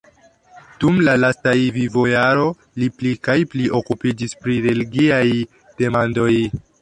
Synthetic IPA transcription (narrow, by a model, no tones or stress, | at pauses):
d̥umlalastajvivo̞jaɾo̞ | liplikajpliʔo̞kupid͡ʒispɾiɾe̞liɡiaj | d̥e̞mando̞j